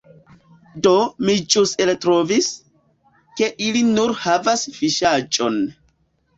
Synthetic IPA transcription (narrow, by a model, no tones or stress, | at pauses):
domid͡ʒuselt̪ɾovis | keʔilinuɾhavasfiʃad͡ʒʼo̰n